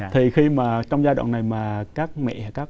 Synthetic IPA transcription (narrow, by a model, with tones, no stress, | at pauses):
t̪ʰi˨˩xi˧maː˨˩t͡ɕɔ˧wŋ͡mzaː˧ɗo̰˧˨nːa˨˩jmaː˨˩kaː˦˥k̚mɛ̰˧˨haː˨˩jkaː˦˥k̚